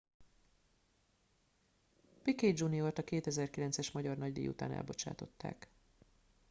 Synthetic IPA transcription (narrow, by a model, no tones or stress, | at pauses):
piked͡ʒuniort̪ɒkeːt̪ɛzɛrkilɛnt̪sɛʃmɒɟɒrnɒɟd̪ḛːjṵt̪aːnʔɛ̰lbo̞t͡ʃa̰ːt̪o̞t̪ːa̰ːk